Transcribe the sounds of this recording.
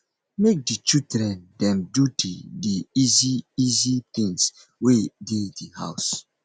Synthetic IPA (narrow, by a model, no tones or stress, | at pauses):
mek̚dit͡ʃildɹɛ̃ndɛ̃mdjutʰidiiziizitĩŋs | wedediha̰ʊs